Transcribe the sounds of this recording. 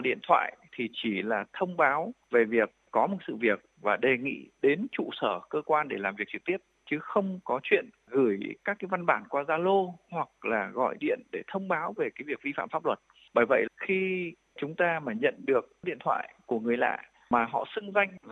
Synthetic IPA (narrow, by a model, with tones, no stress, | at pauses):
ɗḭ˧˨ənt̪ʰwa̰ː˧˨jt̪ʰi˨˩t͡ɕi˧˩laː˨˩t̪ʰə˧wŋ͡mɓaː˨˦wve˨˩vi˨˩ək̚ːɔ˨˦mo˨˩t̚sɨ̰˧˨vi˨˩ək̚vaː˨˩ɗe˨˩ŋḭ˧˨ɗe˨˦nt͡ɕṵ˧˨səː˧˩kəː˧kwaː˧nɗe˧˩laː˨˩mvi˨˩ək̚t͡ɕɨ˨˩k̚t̪i˦˥əp̚t͡ɕɨ˨˦xə˧wŋ͡mkɔ˨˦t͡ɕwḭ˧˨ən | ɣɨ˧˩jkaː˦˥kːaː˨˦jva˧nɓaː˧˩nkwaː˧zaː˧lo˧hwa˨˩k̚laː˨˩ɣɔ̰˧˨jɗḭ˧˨ənɗe˧˩t̪ʰə˧wŋ͡mɓaː˨˦wve˨˩kaː˨˦jvi˨˩ək̚vi˧fa̰ː˧˨mfa˦˥plwə˨˩t̚ | ɓaː˧˩jvə̰˧˨jxi˧ | t͡ɕʊ˨˦ŋ͡mt̪aː˧maː˨˩ɲə̰˧˨nɗɨ˨˩ək̚ɗḭ˧˨ənt̪ʰwa̰ː˧˨jku˧˩əŋɨ˨˩əjla̰ː˧˨ | maː˨˩ɦɔ̰˧˨sɨ˧ŋza˧jŋ̟v